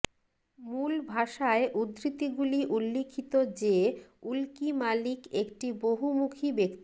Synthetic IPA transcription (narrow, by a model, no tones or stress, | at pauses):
mulbʱaʃaeʔud̪ɾit̪iɡuliʔulːikʰːit̪od͡ʑeulkimalikekʈiboɦumukʰibekt̪ii